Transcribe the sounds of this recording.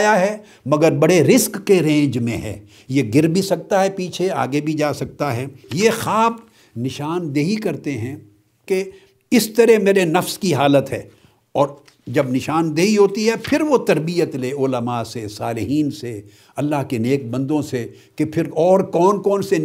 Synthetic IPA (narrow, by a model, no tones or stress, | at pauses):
jaɦɛ | mɐɡəɾbɐɽeɾɪskːeɾẽːɲd͡ʒmẽɦɛ̰ː | jeɡɪɾbʱisɐk̚t̪aɦɛpiːt͡ʃʰea̰ːɡebʱid͡ʒaːsɐk̚t̪aɦɛːjexaːb | nɪʃaːnd̪eːɦikɐɾt̪eɦɛ̃ | ke | ɪst̪ɐɾɛmeːɾenɐfskiɦaːlət̪ɦɛ̰ː | ɔːɾ | d͡ʒɐbnɪʃaːnd̪eːɦiɦoːt̪iɦɛpʰɪɾʋot̪ɐɾbijət̪leːʊləmasesaːlɪɦiːnse | ɐlːaɦkeneːk̚bɐ̃nd̪õsekepʰɪɾɔːɾkɔːnkɔːnsen